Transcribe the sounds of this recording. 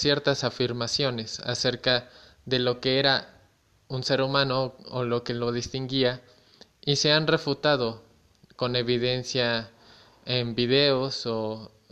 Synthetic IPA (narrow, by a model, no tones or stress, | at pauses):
sje̞ɾt̪asafiɾmasjo̞ne̞sa̰se̞ɾka | ðe̞lo̞ke̞eɾa | unse̞ɾumãno̞ːlo̞ke̞lo̞ð̞ist̪iŋɡia | ise̞anre̞fut̪að̞o̞ | ko̞ne̞βiðe̞nsja | embiðe̞o̞so